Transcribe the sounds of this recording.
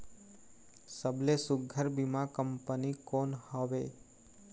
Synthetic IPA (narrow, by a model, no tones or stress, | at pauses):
səblesʊɡʱəɾbimãkəmpənikonhɔʋe